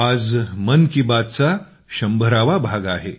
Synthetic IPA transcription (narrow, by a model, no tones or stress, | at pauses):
ad͡zmənkibad̪̚t͡sa | ɕəmbʱəɾaʋabʱaɡaɦe